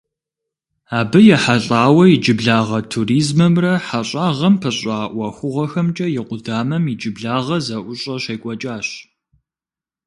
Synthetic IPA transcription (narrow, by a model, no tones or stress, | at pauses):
aːbɨjɛħaɬʼaːwɐid͡ʒɪbɮaːʁɐtʰuriːzmɐmrɐħaɕʼaːʁɐmpʰɐɕʼaːʔʷɐxʷʊʁɐxɐmt͡ʃʼɐjɪqʷʊdaːmɐmid͡ʒɪbɮaːʁɐzɐʔʷʊɕʼɐɕɐjkʷʼɐt͡ʃʼaːɕ